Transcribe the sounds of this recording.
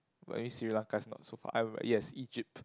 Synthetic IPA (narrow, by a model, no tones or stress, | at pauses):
mḛmĩsiɹilãnkasnɔ̰t̚sofa̰ʔã̰jɛsid͡ʒip̚t